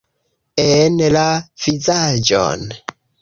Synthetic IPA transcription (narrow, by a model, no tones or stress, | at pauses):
enlav̥izad͡ʒo̰n